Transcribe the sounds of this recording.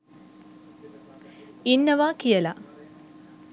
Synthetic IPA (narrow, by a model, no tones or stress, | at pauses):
inːɐʋaːkijəla